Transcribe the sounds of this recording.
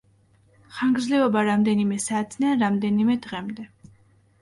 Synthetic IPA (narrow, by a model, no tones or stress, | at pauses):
χaŋɡɾdzlɛɔbaɾamd̪ɛnimɛsaːt̪ʰnɛanɾamd̪ɛnimɛd̪ʁɛmd̪ɛ